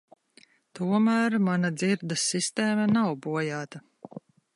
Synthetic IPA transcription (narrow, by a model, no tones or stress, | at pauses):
t̪uɔmæːɾmanad̪ziɾd̪asːist̪eːmɐnawbuɔjaːt̪a